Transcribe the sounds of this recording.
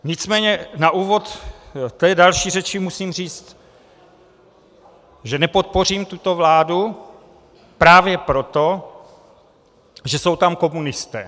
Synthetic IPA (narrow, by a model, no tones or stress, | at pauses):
ɲɪt͡smɛːɲɛnaʔuːvo̞t̪t̪ɛːdalʃiːrɛt͡ʃɪmusiːmr̝iːt͡st̪ | ʒɛnɛpot̪̚po̞riːmt̪ut̪o̞vlaːdu | pɾaːvjɛpɾot̪o̞ | ʒɛso̞wt̪amko̞munɪst̪ɛ̰ː